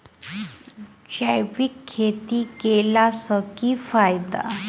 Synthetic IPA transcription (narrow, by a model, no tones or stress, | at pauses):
t͡ɕajʋikʰːet̪ikelasəkiːfajd̪a̰